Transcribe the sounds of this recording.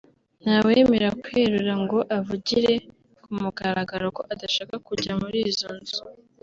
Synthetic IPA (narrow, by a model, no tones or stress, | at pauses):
n̥haweːme̞ɾakweɾuɾaŋɡo̞ʔavuɟiɾe̞ | kumuɡaɾaɡaɾoko̞ʔadaʃaːkakuɟamuɾizo̞nzu